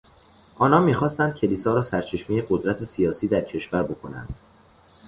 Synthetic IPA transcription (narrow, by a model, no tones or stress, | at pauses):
ʔɒːnɒːnmiːxɒːst̪ænd̪̚cʰe̞liːsɒːɾɒːsæɾt͡ʃʰe̞ʃmiːjeɢo̞d̪ɾæt̪ʰe̞sijɒːsiːd̪æɾcʰe̞ʃvæɾbo̞kʰo̞næ̰nd̪̥